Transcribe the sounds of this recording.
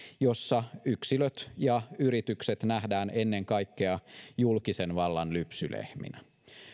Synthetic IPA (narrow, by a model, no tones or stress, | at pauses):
jo̞sːɑyksiløt̪jɑyɾit̪ykset̪næhdæːnenːeŋkɑjkːeɑjulkisenʋɑlːɑnlypsylḛhmḭnæ